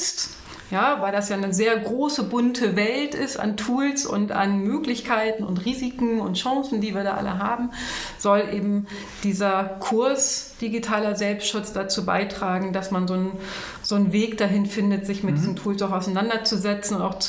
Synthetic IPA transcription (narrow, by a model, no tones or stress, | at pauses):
st | jaːvaɪldasjaːnəzeːɐɡʁoːsəbʊntʰəvɛltɪsta̰ntʰuːlsʊ̰nta̰nmøːklɪçkʰaɪtn̩ʊ̰ntʁiːzikŋ̩ʊntʃãŋsn̩diːviːɐɾaːʔa̰lə̰ɦaːbm̩z̥ɔlʔeːbm̩ | d̥iːzɐkʰʊɐsd̥iɡitʰaːlɐzɛlpstʃʊt͡sd̥at͡suːba̰ɪtʁ̥aːɡŋ̩dasmanzoːn | z̥oːnveːkd̥aɦɪnfɪndətz̥ɪçmɪt̚d̥iːzn̩tʰuːlsaʊxaʊsaɪnandɐt͡suzɛt͡sn̩ʊntaʊxt͡s